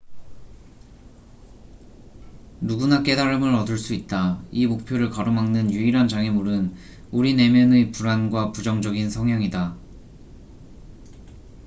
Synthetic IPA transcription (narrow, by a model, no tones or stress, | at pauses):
nuɡunak͈e̞daɾɯmɯɾʌdɯɭs͈uit̚t͈aimok̚pʰjoɾɯɭkʌɾomaŋnɯnjuiɾɦand͡ʑaŋemuɾɯn | uɾine̞mjʌnɯpuɾanɡwapud͡ʑʌŋd͡ʑʌɡinsʰʌŋjaŋida